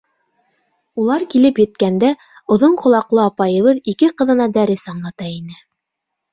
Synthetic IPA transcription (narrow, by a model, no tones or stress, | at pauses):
ulˠɑɾkilɘpjɘ̆t̪kænd̪æ | ŏðoɴqŏlˠɑqlˠɤɑpɑjɤ̆βɤðikɘqɤ̆ðɤ̆nɑd̪æɾɘsɑɴlˠɑt̪ɑinɘ